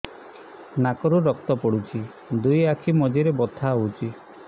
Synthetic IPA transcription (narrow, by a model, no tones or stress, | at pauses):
nakɔɾuɾɔk̚t̪ɔpɔɽut͡ʃʰi | d̪ujakʰimɔd͡ʒiɾebɔt̪ʰaɦowt͡ʃʰi